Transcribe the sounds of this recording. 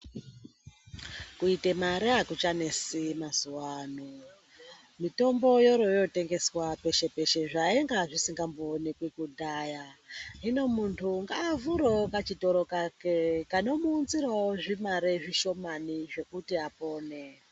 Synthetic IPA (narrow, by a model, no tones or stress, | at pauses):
kuitemaɾeakut͡ʃane̞simazuwaːno | mito̞mbo̞jo̞ɾo̞jo̞te̞ŋɡe̞swape̞ʃe̞pe̞ʃe̞ʐaeŋɡaʐisiŋɡamboːnekwekudʱaːjaino̞muntʰuŋɡaːvuɾokat͡ʃito̞ɾo̞kakekano̞muːnziraoʐimaɾeʐiʃo̞maniʐe̞kutiapo̞ːne̞